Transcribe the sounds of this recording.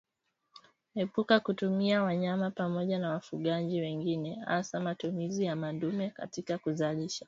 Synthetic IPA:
hɛpukakutumiawaɲamapamɔʄanawafuɠaʄiwɛŋɡinɛha̰samatumizijamandumɛka̰tikakuzaliʃḁ

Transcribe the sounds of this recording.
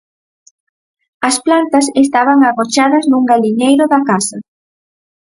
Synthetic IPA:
ɐsplant̪ɐsest̪aβ̞aŋaɣot͡ʃaðɐznuŋɡaʎiɲejɾʊðakasɐ

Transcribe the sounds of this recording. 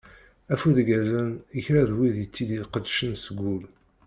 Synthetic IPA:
æfuðɡæzænəçɾaðwiðjət͡sːid̪iqəd̪ʃənsəɡʷːul

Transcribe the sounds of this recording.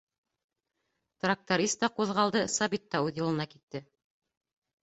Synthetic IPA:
t̪rak̚t̪oɾʲist̪ːɑquðʁɑlˠd̪ɤsɑbit̪ːɑʉðjɤ̆lˠɤ̆nɑkit̪ːɘ

